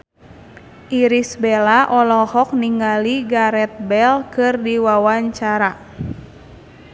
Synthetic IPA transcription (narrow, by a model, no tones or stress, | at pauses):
ʔiɾisbɛlaʔɔlɔhɔk̚niŋɡaliɡaɾɛt̪̚bɛlkɨrdiwawaɲt͡ʃaɾa